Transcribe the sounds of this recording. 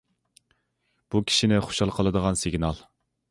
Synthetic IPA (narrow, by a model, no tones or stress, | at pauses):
b̥ukʲʰi̥ʃinɪχo̥ʃɑlˠqʰəlˠɨd̪əʁɑnsɪɡʲnɑlˠ